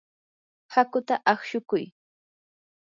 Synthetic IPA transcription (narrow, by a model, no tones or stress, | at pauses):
hakʊt̪aʔaχʃʊkʊj